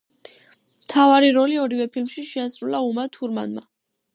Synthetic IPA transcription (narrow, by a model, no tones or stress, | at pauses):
mt̪ʰavaɾiɾɔliɔɾivɛpʰilmʃiʃɛasɾulaumat̪ʰuɾma̰nma